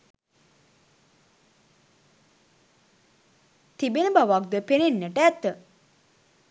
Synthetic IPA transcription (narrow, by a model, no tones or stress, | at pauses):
t̪ibenəbaʋak̚d̪upenenːəʈəæt̪ːə